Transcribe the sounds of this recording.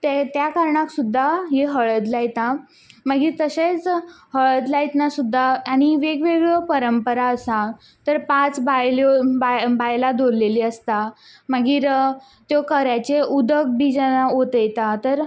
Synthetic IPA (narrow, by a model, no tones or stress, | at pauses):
t̪et̪jakaɾɳaksud̪ʱːaɦeɦəɭət̪lajt̪a | məɡiːɾt̪əɕet͡shəɭət̪lajt̪nasud̪ʱːaːɽ̃iʋeɡʋeɡɭəpəɾəmpəɾaəsa | t̪əɾpãt͡sbajloabajlad̪oɾleliːəst̪a | məɡiːɾ | t̪jokəɾjat͡ɕeʔud̪ək̚bid͡ʑanaɦot̪əjt̪at̪əɾ